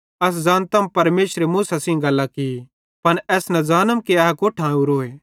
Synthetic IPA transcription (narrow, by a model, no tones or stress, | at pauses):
ɐs̬zaːnt̪ɐmpɐɾmeːʃɾemuːsasĩɡɐlːakɪi | pɐnɛːsnɐd͡zaːnəmkiaːɦkoːʈʰãːuɾoːeː